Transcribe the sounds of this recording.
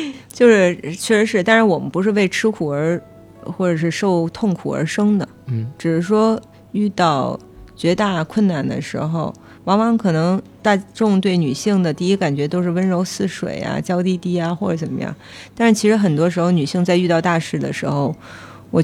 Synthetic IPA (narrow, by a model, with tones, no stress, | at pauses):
t͡ɕjo˥˧ʊʂɻ̩˥˩t͡ɕʰɥɛ˥˩ʂɻ̩˧˥ʂɻ̩˥˩˧t̪a˥nɻa˧˥nwɔ˨˩mə˦npu˧˥ʂ̬ɻ̩˥˧we˥˩ɪʈ͡ʂʰɻ̩˥kʰu˨˩ə˞˧˥ | xwɔ˥˩ʈ͡ʂɤ˨˩ʂɻ̩˥˧ʂo˥˧ʊt̪ʰʊ˥˩ŋkʰṵ˨˩ə̰˞˧˥ʂɤ˥ŋd̪ə˨ʈ͡ʂɻ̩˨˩ʂɻ̩˥ʂwɔ˥ | y˥˧t̪ɑ˥˩ʊ | t͡ɕɥɛ˧˥t̪a˥˧˩kʰwə˥˩nna˥˩nd̪ə̰˦ʂɻ̩˧˥xo˧ʊ | wɑ˧˥ŋwɑ˧˥ŋkʰɤ˨˩nɤ˧˥ŋt̪a˥˧ʈ͡ʂʊ˥˧ŋt̪̬we˥˩ɪny˨˩ɕi˥˩ŋd̪ə˩t̪i˥˩i˥ka˨˩nt͡ɕɥɛ˧˥t̪o˥ʊʂ̬ɻ̩˥˩wə˥nɻo˧˥ʊsɹ̩˥˩ʂwḛ˨˩ɪa̰˧t͡ɕjɑ˥ʊt̪i˥˧t̪i˥˩a˩xwɔ˥˩ʈ͡ʂə˧˥ʈ͡ʂə˨˩nmə̰˧jɑ̰˥˩ŋt̪a˥˧nʂɻ̩˥˩t͡ɕʰi˧˥ʂɻ̩˧˥xə˨˩nt̪wɔ˥ʂɻ̩˧˥xo˧ʊny˨˩ɕi˥˧ŋt͡sa˥˧ɪy˥˧t̪ɑ˥˧ʊt̪a˥˧ʂɻ̩˥˩d̪ə̰˩ʂɻ̩˧˥xo˧ʊ | wɔ˨˩